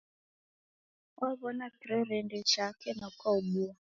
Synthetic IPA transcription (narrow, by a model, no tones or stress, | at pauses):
ɔβɔnakɾeɾendet͡ʃakenɔkɔuɡ͡bua